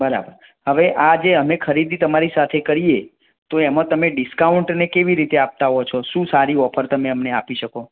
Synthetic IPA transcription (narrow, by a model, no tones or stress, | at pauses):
bəɾa̰bəɾ | ɦəʋeʔad͡ʒeəmekʰəɾid̪it̪əmaɾisat̪ʰekəɾije | t̪oɛmãt̪əmeɖɪskauɳʈnekeʋiɾit̪eap̚t̪aɦot͡ʃʰɔʃũsaɾiɔpʰəɾt̪əmeəmneapiʃəko